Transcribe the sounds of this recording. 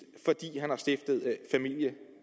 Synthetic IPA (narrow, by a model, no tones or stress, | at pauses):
fɒ̽d̥ḭːɦænhɑ̈sd̥efd̥ð̞̩ˠfæmil̰jə